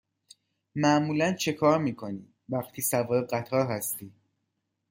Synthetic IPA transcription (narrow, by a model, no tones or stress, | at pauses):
mæʔmuːlænt͡ʃʰe̞kʰɒːɾmiːkʰo̞niː | væxt̪ʰiːsævɒːɾeɢæt̪ʰɒːɾɦæst̪iː